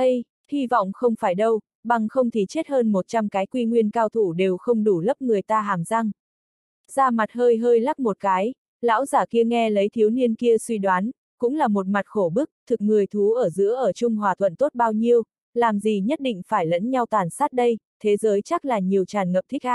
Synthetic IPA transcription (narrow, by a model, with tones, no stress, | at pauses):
ɗə˧j | hi˧vɔ̰˧˨wŋ͡mxə˧wŋ͡mfaː˧˩jɗə˧w | ɓa˨˩ŋxə˧wŋ͡mt̪ʰi˨˩t͡ɕe˦˥t̚həː˧nmo˨˩t̚t͡ɕa˧mkaː˨˦jkwi˧ŋwi˧ənkaː˧wt̪ʰu˧˩ɗe˨˩wxə˧wŋ͡mɗu˧˩lə˦˥p̚ŋɨ˨˩əjt̪aː˧ɦaː˨˩mza˧ŋ | z̥aː˧ma˨˩t̚ɦəː˧jɦəː˧jla˦˥p̚mo˨˩t̚kaː˨˦j | la̰ː˧˥wzaː˧˩ki˧əŋɛ˧lə˨˦jt̪ʰi˨˦əwni˧ənki˧əswi˧ɗwaː˨˦n | kʊ̰˧˥ŋ͡mlaː˨˩mo˨˩t̚ma˨˩t̚xo˧˩ɓɨ˦˥ək̚t̪ʰɨ˨˩k̚ŋɨ˨˩əjt̪ʰu˨˦ʔəː˧˩zɨ̰˧˥əʔəː˧˩t͡ɕʊ˧ŋ͡mɦwaː˨˩t̪ʰwə̰˧˨nt̪o˦˥t̚ɓaː˧wɲi˧əw | laː˨˩mzi˨˩ɲə˦˥t̚ɗḭ̈˧˨ŋ̟faː˧˩jlə̰˧˥nɲa˧wt̪waː˨˩nsaː˦˥t̚ɗə˧jt̪ʰe˨˦zəː˨˦jt͡ɕa˦˥k̚laː˨˩ɲi˨˩əwt͡ɕaː˨˩nŋə˨˩p̚t̪ʰï˦˥k̟̚haː˧˨